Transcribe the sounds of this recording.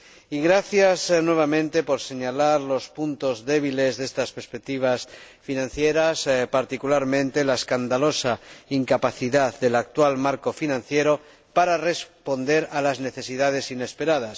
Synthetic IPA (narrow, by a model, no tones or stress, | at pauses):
iɣɾaθjaznwe̞β̞amẽ̞nt̪e̞po̞ɾse̞ɲalaɾlo̞spunt̪o̞zðe̞βile̞zðe̞st̪aspeɾspek̚t̪iβ̞as | finãn̟θjeɾaspaɾt̪ikulaɾmẽ̞nt̪e̞laeskand̪alo̞saiŋkapaθiðaðd̪e̞lak̚t̪walmaɾko̞finãnθje̞ɾo̞ | paɾare̞spo̞nd̪e̞ɾalazne̞θe̞siðað̞e̞sine̞spe̞ɾað̞as